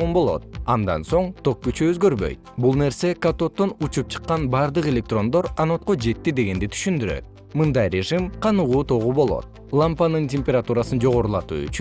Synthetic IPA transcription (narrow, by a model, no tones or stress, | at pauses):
umbo̞lˠo̞̰t̪̚ɑnd̪ɑ̰nso̞ɴt̪ʰo̞k̚kyt͡ʃyøzɡø̞ɾbø̰jt̪̚bulˠne̞ɾse̞kat̪o̞t̪ːo̞nut͡ʃup̚t͡ʃʰɯ̥qːɑnbɑɾd̪ɯqe̞lʲe̞k̚t̪ro̞nd̪o̞ɾano̞t̪qod͡ʒe̞t̪ːid̪e̞ɡe̞nd̪it̪ʰy̥ʃynd̪yɾø̰t̪̚ | mɯnd̪ɑjɾʲe̞ʐɨmqʰɑnuʁuːt̪ʰo̞ʁubo̞lˠo̞̰t̪̚ | lˠampanɯntʲemʲpʲeɾat̪uɾasɯnd͡ʒo̞ʁo̞ɾulˠɑt̪ṵːy̰t͡ʃy